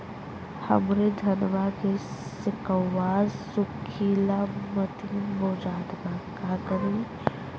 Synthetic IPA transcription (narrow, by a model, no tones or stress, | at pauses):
hə̰mɾed̪ʱənʋakesɪkəaːɾsʊkʰiːlamət̪ibod͡ʒaːd̪bakakəɾi